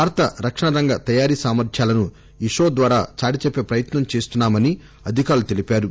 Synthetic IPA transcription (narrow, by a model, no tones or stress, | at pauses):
aːɾt̪ɐɾɐkʂɐɳɐɾɐŋɡɐt̪ɐjaːɾiːsaːmɐɾt̪ʰjaːlɐnu | iʂoːd̪ʋaːɾaːt͡ʃaːɽit͡ʃepːe̞ːpɾɐjɐt̪nɐmt͡ʃeːst̪unːaːmɐni | ɐd̪ʱikaːɾlut̪elipaːɾu